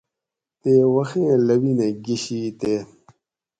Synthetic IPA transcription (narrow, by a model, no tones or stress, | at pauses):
t̪eːwɐxẽlɐwinẽɡiɕit̪e